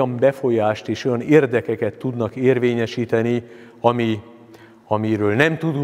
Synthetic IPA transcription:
ɒmbɛfo̞jaːʃt̪eːʃo̞jɒneːrd̪ɛkɛkɛt̪ːud̪nɒkeːrveːɲɛʃiːt̪ɛni | ɒmi | ɒmiɾøːlnɛmt̪ud̪u

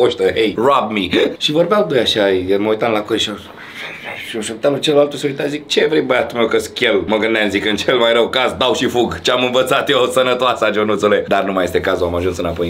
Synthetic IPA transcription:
oʃt̪əɦejrabmiʃivorbawd̪ojaʃaejarməujt̪amlakoʃo | oʃopt̪alut͡ʃellalt̪usəujt̪azik̚t͡ʃevɾebəjat̪umewkəskʲelməɡɨnd̪amzikɨnt͡ʃelmajɾəwkazd̪awʃifuɡt͡ʃeamɨnvət̪sat̪jeosənət̪oasad͡ʒonut̪sule̞d̪arnumaje̞st̪e̞kazuamaʒunsɨnapo̞j

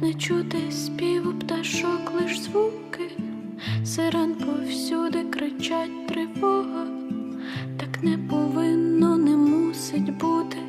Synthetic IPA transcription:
nɛt͡ʃut̪ɪsʲpʲiʋʊpt̪ɑʃɔklˠɪʒzʋukɪ | sɪɾɑnpɔwsʲud̪ɪkɾɪt͡ʃatʲt̪ɾɪpɔɦɐ | t̪ɑknɛpɔʋɪnːɔnɛmusɪtʲbut̪ɪ

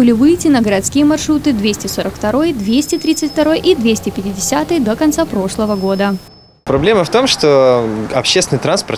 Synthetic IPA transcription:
ɨlʲɪvɨjtʲɪnəɡəɾɐt̪skʲijəmɐrʂɾut̪ɨd̪vʲesʲtʲɪso̞ɾəkft̪ɐɾo̞jd̪vʲesʲtʲɪt̪ɾʲit̪sɨtʲft̪ɐɾo̞jʔid̪vʲesʲtʲɪpʲɪtʲɪdʲɪsʲat̪ɨjd̪okɐnt̪sapɾo̞ʂlˠəvəɡo̞d̪ə | pɾɐblʲe̞məft̪o̞mʂt̪oɐpɕːest̪vʲɪnɨjt̪ɾanspərt̪

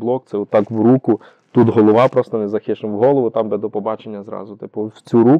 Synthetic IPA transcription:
blˠɔkt̪sɛɔt̪ːɑkʋrukʊ | t̪ut̪ɦɔlˠɔʋɑpɾɔst̪ɔnɛzɐxɪʃemwɦɔlˠɔʋʊt̪ɑmbɛd̪ɔpɔbɑt͡ʃenʲːɐzɾɑ̰zʊt̪ɪpʊwt͡sʲuɾu

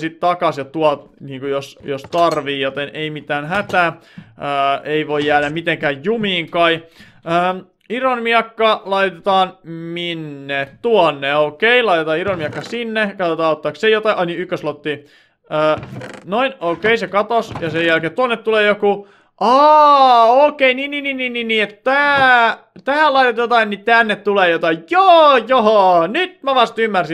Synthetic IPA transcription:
sit̪t̪ɑkɑsjɑt̪uɔlt̪niːŋkujosjost̪ɑrʋiːjot̪eneimit̪æːnɦæt̪æəːeiʋoijːæːdæmit̪eŋkæːjjumiːŋkɑj | əː | ironmiɑkːɑlɑit̪et̪ɑːnminːet̪uonːeoukeilɑit̪et̪ɑːironmiɑkːɑsinːekɑt̪ot̪ɑːɑot̪ːɑːˑkssejot̪ɑʔɑniykːøslot̪ːiː | ənoinoukeisekɑt̪osjɑsejælkeːt̪uonːet̪t̪ːuleːjoku | ʔɑːoːkeiniːnːiːniːnniːnːinniːet̪t̪æː | t̪æːlɑjt̪et̪jot̪ɑinnit̪ænːet̪t̪uleːjot̪ɑijoːjoɦonyt̪mæʋɑst̪ymːærsi

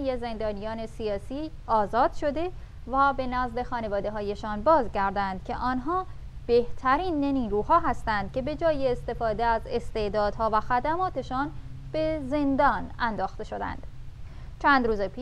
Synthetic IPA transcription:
jeze̞nd̪ɒːnijɒːne̞siɒːsiːɒːzɒːd̪̥ʃo̞d̪e̞ | væbe̞næzd̪e̞xɒːne̞vɒːd̪e̞ɦɒːje̞ʃɒːnbɒːzɟæɾd̪ænd̪̥cʲʰe̞ʔɒːnɦɒː | b̥e̞ht̪ʰæɾiːnːeniːɾuːhɒːɦæst̪ænd̪̥̚ce̞be̞d͡ʒɒːjiːst̪e̞fɒːd̪eæze̞st̪e̞d̪ɒːd̪hɒːvæxæd̪æmɒːt̪ʰe̞ʃɒːnb̥e̞ze̞nd̪ɒːnænd̪ɒːxt̪e̞ʃo̞d̪æ̰nd̪̥ | t͡ʃʰænd̪ɾuːzepʰi

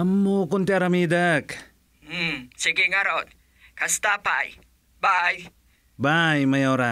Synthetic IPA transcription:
ɐmːukunt̪eaɾamid̪ək | sekeŋaɾawt̪̚ | kʰast̪apʰa̰j | baj | bajmɐjawɾa

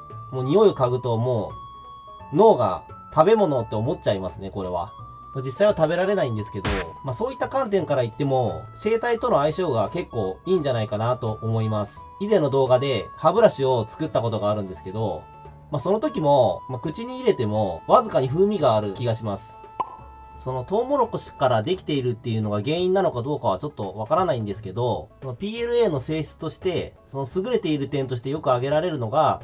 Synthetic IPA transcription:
moːɲ̟io̞iokaɡɯ̟t̪o̞mo̞ː | no̞ːɡa̰ | t̪ʰabe̞mo̞no̞t̪ːe̞omo̞tt͡ɕaimasɨne̞ko̞ɾe̞βa̰ | mod͡ʑisːaiβat̪abe̞ɾaɾe̞naĩnd̪e̞sɨ̥ke̞d̪o̞maso̞ːit̪ːakãnt̪̬ẽ̞ŋkaɾait̪ːe̞mo̞se̞ːt̪ait̪o̞no̞aiɕo̞ːɡake̞kːo̞ːiːɲ̟d͡ʑanaikanat̪o̞ʔomo̞imasɨ̥izẽ̞nːo̞d̪o̞ːɡad̪e̞habɯ̟ɾaɕio̞t͡sɨ̥kɯt̪ːako̞t̪o̞ɡaːɾɯ̟̃nd̪esɨ̥ke̞d̪o̞ | maso̞no̞t̪o̞kʲimo̞makɯ̟t͡ɕiɲ̟iːɾe̞t̪e̞mo̞βazɨkaɲ̟iɸɯ̟ːmʲiɡaːɾɯ̟kʲiɡaɕimasɨ̥ | so̞no̞t̪o̞ːmoɾo̞ko̞ɕi̥kaɾad̪e̞kʲi̥t̪e̞iɾɯ̟t̪ːe̞jɯ̟ːno̞ɡaɡẽ̞ɰ̃ĩnːano̞kad̪o̞ːkaβat͡ɕo̞t̪ːo̞βakaɾanaĩnd̪e̞s̬ɨ̥ke̞d̪o̞sonopʲiːeɾɯ̟e̞ːno̞se̞ːɕi̥t͡sɨ̥t̪o̞ɕi̥t̪e̞ | so̞no̞sɨɡɯ̟ɾe̞t̪e̞iɾɯ̟t̪ẽ̞nt̪o̞ɕ̬i̥t̪e̞jo̞kɯ̟aɡe̞ɾaɾe̞ɾɯ̟no̞ɡa

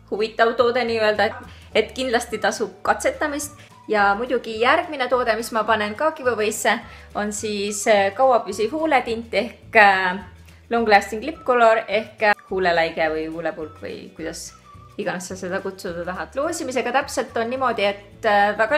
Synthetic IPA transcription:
huvit̪ːˑɑvt̪o̞ːd̪e̞niøe̞ld̪ɑ | e̞t̪kind̪lɑst̪it̪ɑsub̥̚kɑt̪se̞t̪ːˑɑmist̪ | jɑmud̪̥ʲuɡ̥ijærɡ̥mine̞t̪o̞ːd̪e̞mismɑpɑne̞nkɑkivɤvejsːe̞o̞nsiːskɑwɑpːisiɦuːlet̪int̪ˑːe̞hk | loŋɡlæst̪iŋɡ̥lipːkolːo̞ɾe̞hkhuːlelæjɡevɤjhuːlepulkvɤ̰jkujd̪̥ɑs | iɡ̥ɑnɑsːɑse̞d̪ɑkut̪sud̪̥ɑt̪ɑɦɑt̪ːˑloːsimis̬e̞ɡ̥ɑt̪æpse̞lt̪ːˑo̞nːimo̞d̪̥ie̞t̪ːvæɡ̥ɑ

